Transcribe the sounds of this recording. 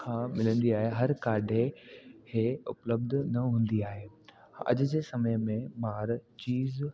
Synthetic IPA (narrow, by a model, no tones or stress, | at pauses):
kʰãːmɪlə̃nd̪iaːɦeɦɐɾkaːɖʱekeːʊpləb̚d̪ʱnɐɦũːn̆d̪iaːɦeː | ɐ̰ʄʊ̆d͡ʑeːsɐməjmẽmaːɾt͡ɕiːz